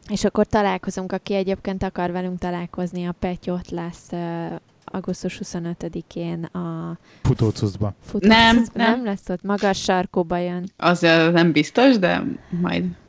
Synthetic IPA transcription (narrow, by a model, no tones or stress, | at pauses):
eːʃɒkːo̞rt̪ɒlaːlko̞zuŋkɒkiɛɟeːp̚keːnt̪ɒkɒrvɛlyŋkt̪ɒlaːlko̞zniɒpɛco̞t̪lɛsːø | ɒ̰ɡust̪uʃhuso̞nøt̪ød̪ikʰeːnɒ | fut̪oːt̪suzbɒfut̪nɛmuzbnnɛmlɛsːot̪mɒɡɒʃːɒrkoːbɒjønʔɒzznɛmbist̪o̞ʃd̪ɛ̰mɒ̰jd̪